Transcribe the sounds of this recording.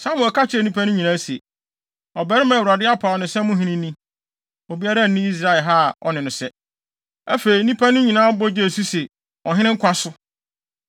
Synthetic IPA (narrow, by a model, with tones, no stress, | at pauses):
sã˦mʊ̃˨kʰa˦t͡ɕʰɪ˦ɛ˨nĩ˦pʰæ˦nʊ̃˦ɲĩ˨nãː˦sɛ̰˨ | ɔ˨bɛ˦ɾɪ˦mã˨wu˨ɾa˨dɪ˦a˦pʰa˨ɔ˨nɪ̃˨sɛ˦mʊ̃˦ɦĩ˦nĩ˦nĩ˦ | o˨bi˦a˦ɾa˦n̩˨nɪ̃˦i˦s̬ɾa˨ɪ˨ɦa˦˨ɔ̰˨nɪ̃˨nʊ̃˨sɛ˦ | æ˦fe˨i˨nĩ˦pʰa˦nʊ̃˦ɲĩ˨nãː˦bɔ˦d͡ʑe˦˨su˦sɛ˨ | ɔ˨ɦɪ̃˦ɪ̃˦ŋ̩˦kʷʰa˦sʊ˦